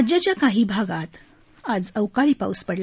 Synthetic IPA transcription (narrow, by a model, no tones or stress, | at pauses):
d͡ʑat͡ɕjakaɦiːbʱaɡat̪ | ad͡zəwkaɭiːpa̰uspəɽl